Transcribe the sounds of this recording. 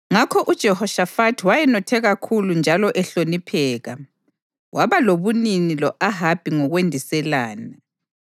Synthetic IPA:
ŋakʰɔʔud̥ʒ̥ʱɛhɔʃafatʰwajɛnɔtʰɛɣakʰulund͡ʒʱalɔʔɛɬonipʰɛːɣa | waβaloβuninilɔʔaɦab̥ʱiŋɔɣwendʱisɛlaːna

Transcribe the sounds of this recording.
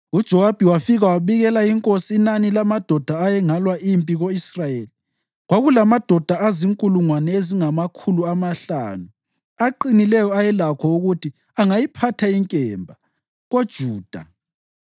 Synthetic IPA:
ud̥ʒ̥ʱɔwab̥ʱiwafiɣawaβiɣɛlajiŋkʼosiːnanilamad̥ʱɔd̥ʱaːjɛŋalwaʔimpʼiɣoisrajeːli | ɣwaɣulamad̥ʱɔd̥ʱaaziŋkʼuluŋwanɛeziŋamakʰuluamaɬa̰ːnu | aǃinilɛjɔajɛlakʰɔuɣutʰi | aŋajipʰatʰaiŋkʼɛːmbʱa | ɣod̥ʒ̥ʱuːd̥ʱa̰

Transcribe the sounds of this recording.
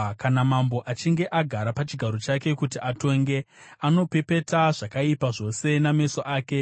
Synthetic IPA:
kanamambo̞ʔat͡ʃiŋɡe̞ʔaɡʱaɾapat͡ʃiɡʱaɾo̞t͡ʃake̞kutiʔato̞ŋɡe̞ano̞pe̞pe̞taʐakaipaʐo̞se̞name̞so̞ʔaːke̞

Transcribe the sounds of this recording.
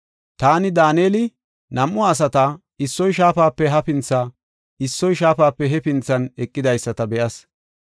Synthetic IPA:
t̪aːnɪd̪aːneːlɪ | nɐmʔːʊːs̬ɐt̪ɐ | ɪsːɔjʃaːpaːpːɛɦɐpɪnt͡sːa | ɪsːɔjʃaːfaːpːɛɦɛpɪnt͡sːɐnɛkʼːɪd̪ɐjsːɐt̪ɐbɛʔɐs

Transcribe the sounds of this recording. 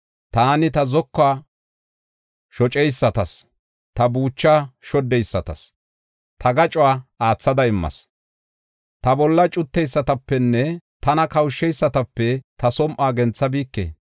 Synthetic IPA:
t̪aːnɪt̪ɐzɔkːaː | ʃɔt͡ʃʼɛjsːɐt̪ɐs | t̪ɐbuːt͡ʃːaːʃɔd̪ːɛjsːɐt̪ɐ̰s | t̪ʰɐɡɐt͡ʃʼʊwaːaːt͡sːɐd̪ɐɪmːɐ̰s | t̪ɐbɔlːɐt͡ʃʼʊt̪ːɛjsːɐt̪ɐpːɛnːɛt̪ɐnɐkɐwʃːɛjsːɐt̪ɐpːɛt̪ʰɐsɔmʔaːɡɛnt͡sːɐbiːkːḛː

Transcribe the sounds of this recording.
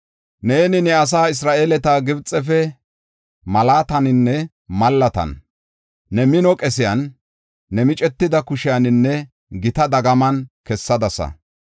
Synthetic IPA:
neːnɪnɛɐs̬aːɪs̬ɾaːʔelɛt̪aːɡɪbt͡sʼːɛfɛ | mɐlaːt̪ɐnɪnːɛ | mɐlːɐt̪ɐ̰nː | ɛmɪnɔkʼɛsɪjɐnː | ɛmɪt͡ʃʼɛt̪ːɪd̪ɐkʊʃɪjɐnɪnːɛ | ɡɪt̪ɐd̪ɐɡɐmɐnkɛsːɐd̪ɐsɐ̰

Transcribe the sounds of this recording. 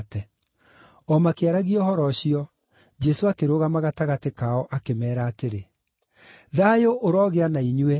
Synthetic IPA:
tɛ | ɔmakeaɾaɣiɔhɔɾɔɕiɔ | d͡ʒɛsoakeɾoɣamaɣataɣatekaɔʔakemɛːɾaːteɾe | ðajoʔoɾɔɣeanaiɲuɛ

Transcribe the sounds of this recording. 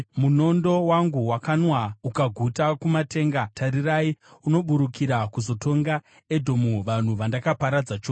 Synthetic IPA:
muno̞ndo̞waŋɡuwakanwaukaɡʱutakumate̞ːŋɡatʰaɾiraiuno̞ɓuɾukiɾakuzo̞to̞ŋɡa | e̞dʱo̞muʋan̤uʋandakapaɾad͡zat͡ʃoː

